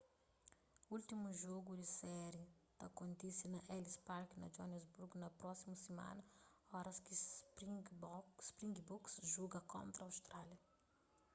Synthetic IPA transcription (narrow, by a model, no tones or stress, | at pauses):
ult̪imuʒoɡud̪isɛɾjid̪̥ɐkõnt̪isɐnɐʔɛlispaɾknɐ̰d͡ʒonezbuɾɡnɐpɾɔsimusimã̰nɐɔɾɐski | spɾĩŋɡbuksʒuɡɐkõ̰nt̪ɾɐawst̪ɾaljɐ